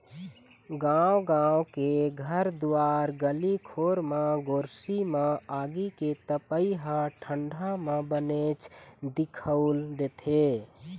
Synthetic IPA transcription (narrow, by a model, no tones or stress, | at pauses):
ɡãwɡãːwkeɡʱəɾd̪uaːɾɡəlikʰoːɾmãɡoːɾsimãaːɡiket̪əpəiɦãʈʰə̃ɳɖʱamãbənet͡ʃd̪ɪkʰəʊld̪eːt̪ʰe